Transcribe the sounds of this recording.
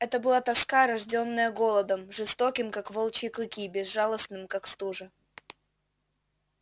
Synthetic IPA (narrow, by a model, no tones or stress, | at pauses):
ɛt̪əbɨlˠat̪ɐskaɾɐʐdʲo̞nːəjəɡo̞lˠəd̪əmʐɨst̪okʲɪmkakvolˠt͡ɕɪklˠɨkʲibʲɪzʐalˠəsnɨmkakst̪uʐɨ